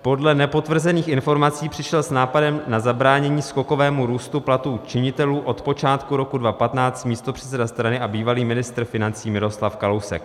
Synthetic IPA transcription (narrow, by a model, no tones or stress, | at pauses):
po̞dlɛnɛpo̞t̪vr̩zɛniːxʔɪnfo̞ɾmat͡siːpr̥ɪʃɛlsnaːpadɛmnazabɾaːɲɛɲiːsko̞ko̞vɛːmuɾuːst̪uplat̪uːt͡ʃɪɲɪt̪ɛluːʔo̞t̪po̞t͡ʃaːt̪kuɾo̞kudvapat̪naːt͡st̪miːst̪o̞pr̝̥ɛt͡sɛdast̪ɾanɪʔabiːvaliːmɪnɪst̪ɾ̩fɪnant͡siːmɪɾo̞slafkalo̞wsɛ̰k